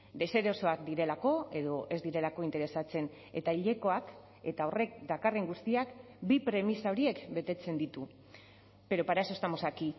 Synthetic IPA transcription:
d̪e̞se̞ɾeo̞so̞akd̪iɾe̞lako̞e̞ðo̞ʔe̞zd̪iɾe̞lako̞int̪e̞ɾe̞sat͡se̞n | e̞̰t̪aiʎe̞ko̞ak | e̞t̪ao̞re̞k̚d̪akare̞ŋɡust̪iak | bipɾe̞misaoɾie̞kbe̞t̪e̞t͡se̞nd̪it̪u | be̞ɾo̞paɾaesost̪amo̞saki

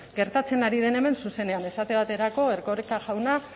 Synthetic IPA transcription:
ɡe̞ɾt̪at͡se̞naɾið̞e̞ne̞me̞nsuse̞ne̞ane̞sat̪e̞β̞at̪e̞ɾako̞eɾko̞ɾekaʝawna

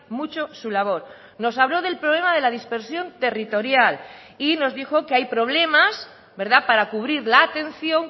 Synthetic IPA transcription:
mut͡ʃo̞sulaβ̞o̞ɾ | no̞saβlo̞ðe̞lpɾo̞β̞le̞maðe̞laðispe̞ɾsjo̞nt̪e̞rit̪o̞ɾjal | ino̞zðixo̞keajpɾo̞β̞le̞mas | be̞ɾð̞apaɾakuβɾiɾlaːt̪e̞nθjo̞ŋ

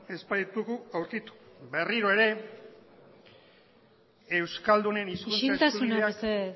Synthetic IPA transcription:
e̞spajt̪uɣuawɾkit̪u̥be̞riɾo̞e̞ɾe̞ | ewskald̪une̞niskunʃit͡sat̪asunaaese

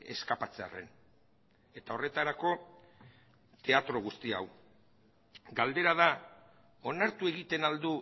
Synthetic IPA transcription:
e̞̰skapat͡se̞a̰re̞̰n | e̞t̪ao̞re̞t̪aɾako̞ | t̪e̞at̪ɾo̞ɣ̞ust̪ia̰w | ɡald̪e̞ɾaða | o̞naɾt̪ue̞ɣit̪e̞nald̪u

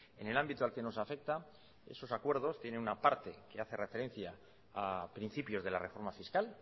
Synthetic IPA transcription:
e̞̰ne̞lambit̪oalke̞no̞safe̞k̚t̪a | e̞̰so̞sakwe̞ɾðo̞st̪je̞ne̞nunapaɾt̪e̞ke̞aθe̞rʔefe̞ɾe̞n̟θjaː | pɾin̟θipjo̞zðe̞larefo̞ɾmafiskal

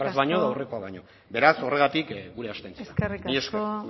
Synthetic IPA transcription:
azβaɲo̞ðawre̞koaβaɲo̞ | be̞ɾaso̞re̞ɣat̪ikɡuɾe̞ast̪ent͡seariiesk

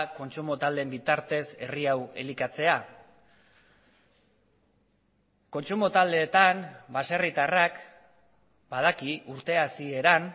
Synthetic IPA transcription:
ko̞nt͡ʃumot̪ald̪e̞mbit̪aɾt̪e̞se̞̰riawe̞̰likat͡se̞a | ko̞nt͡ʃumo̞t̪ald̪e̞ːt̪anbaserit̪arak | bað̞akiuɾt̪e̞asieɾan

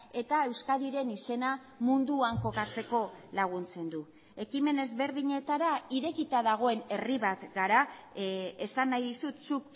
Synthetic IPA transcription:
e̞t̪ae̞wskaðiɾe̞nise̞na | mund̪uaŋko̞kat͡se̞ko̞laɣ̞unt͡se̞nd̪u | e̞kime̞ne̞zβe̞ɾðiɲe̞t̪aɾaiɾe̞kit̪aðaɣ̞o̞e̞ne̞riβat̪ɡaɾa | e̞sanːajðisut̪suk̚

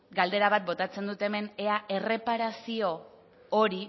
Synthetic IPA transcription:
ɡald̪e̞ɾaβat̪̚bo̞t̪at͡se̞nd̪ut̪eːme̞ne̞aʔe̞re̞paɾasio̞ | oɾi

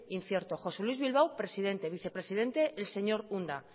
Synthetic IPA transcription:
inθje̞ɾt̪oxo̞selwuizβilβ̞awpɾe̞sið̞e̞nt̪e̞β̞iθe̞pɾe̞siðẽ̞nt̪e̞ʔelse̞ɲo̞ɾund̪a

